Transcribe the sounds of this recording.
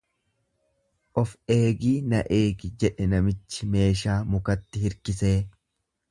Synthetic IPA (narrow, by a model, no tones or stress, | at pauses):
ʔɔfe̞ːɡiːnɐʔeːɡɪd͡ʒɛᶑɛnɐmɪt͡ʃːɪme̞ːʃaːmʊkɐt̪ːɪhɪɾkɪse̞ː